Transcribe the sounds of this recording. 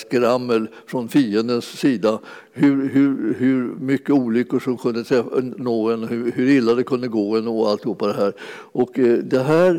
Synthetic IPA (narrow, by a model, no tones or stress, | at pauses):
skɾamːəl | fɾɔnfiːənd̪ənsːiːd̪a | hɵɾɦɵɾhɵɾmʏkːəuːlʏkːəʂɔmkʰɵnd̪ət̪ʰɾɛfa̰noːɡɛnhɵhɵɾɪlːad̪ɛkʰɵnd̪əɡoːɛnːoalt̪hɵpːad̪ɛɦæːɾ | ʔɔkd̪ɛɦæːɾ